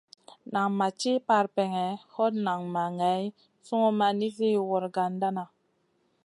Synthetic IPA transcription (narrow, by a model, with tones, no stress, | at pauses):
na˨ŋma˨t͡ʃi˦pa˨ɾpe˨ŋɛ˨ho˦tna˨ŋma˨ŋe˨˦j | su˦ŋo˦ma˨ni˦fi˦wɔ˨ɾɡa˨nda˦na˨